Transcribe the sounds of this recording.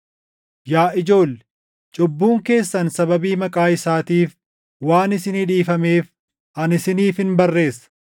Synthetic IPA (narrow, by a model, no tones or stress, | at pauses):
jaːʔɪd͡ʒo̞ːlː | t͡ʃʼɔbːuːŋke̞ːsːɐnsɐbɐbiːmɐkʼaːɪsaːt̪iːf | waːnɪsɪnɪᶑiːfɐmeːf | ʔɐnɪsɪniːfhɪnbɐrːe̞ːsːɐ̥